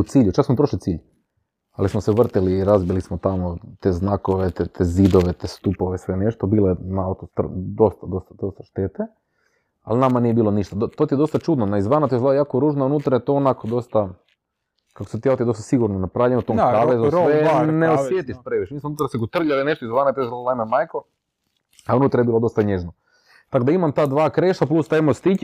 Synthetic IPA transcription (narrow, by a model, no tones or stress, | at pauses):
ut̪siːʎut͡ʃaksmopɾoʃlit̪siːʎ | a̰lismoseʋr̩t̪iliːɾazbilismot̪amot̪eznakoʋet̪t̪ʰezid̪oʋe̞t̪est̪upoʋesʋeneʃt̪obiːlenaaot̪ost̪r̰d̪o̞st̪ad̪o̞st̪ad̪ost̪ḁʃt̪et̪e | a̰lnamanijebiːlˠo̞niʃt̪ad̪ot̪ot̪ied̪ost̪at͡ʃud̪nonaizʋanat̪iolajaːkoɾuːʒnounut̪ɾajet̪oonakod̪o̞st̪a | kako̥set̪iaot̪ied̪ost̪asiɡuɾnonapɾaːʋʎenut̪oːmsaːʋezusʋeneosʋjet̪iʃpɾeʋiʃemiːsmounuːt̪ɾaseɡot̪r̩ʎalineʃt̪oizʋaːnat̪oezlalaimamajko | aunuːt̪ɾajebilo̞d̪o̞st̪aɲeʒno | t̪akod̪aimamt̪aːd̪ʋaːkɾeʃt̪aplust̪aemost̪ic